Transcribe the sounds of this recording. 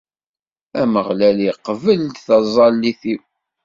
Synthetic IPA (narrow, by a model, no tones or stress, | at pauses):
æməʁlæliqːvəlt̪θɑzˤɑlːiθiw